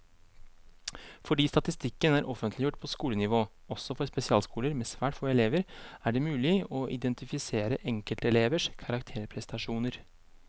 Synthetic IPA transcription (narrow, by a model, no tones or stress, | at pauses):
fɔɖiːst̪ɑt̪ɪst̪ɪkːənæɾʔɔfənt̪lɪjʊʈːpʰɔskuːlənɪʋoː | ɔsɔfɔɾspɛsɪɑːlskuːləɾmɛsʋæːʈfoːɛleːʋəɾæɖɛmʉːlɪɔʔɪd̪ɛnt̪ɪfɪseːɾəʔɛŋkəlt̪əɛleːʋəʂkʰɑɾɑkt̪ʰeːɾpʰɾɛst̪ɑʂuːnəɾ